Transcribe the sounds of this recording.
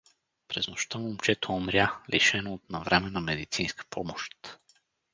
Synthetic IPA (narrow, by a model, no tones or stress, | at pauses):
pɾɛznoʃt̪əmumt͡ʃɛt̪oomɾʲjalʔḭʃɛnoːt̪nɐvɾʔɛmɛnɐmɛd̪it̪sinskə̥pʰɔmoʃt̪